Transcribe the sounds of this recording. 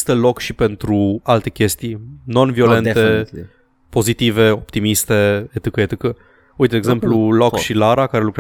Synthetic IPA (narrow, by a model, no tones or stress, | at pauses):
st̪əlo̞kʃipe̞nt̪ɾualt̪e̞kʲe̞st̪ijno̞nvio̞le̞nt̪e | po̞zit̪ive̞o̞pt̪imist̪e̞et̪ɨkəet̪ɨkə | ujt̪d̪eɡze̞mplulokkʃilaɾakaɾe̞lukɾe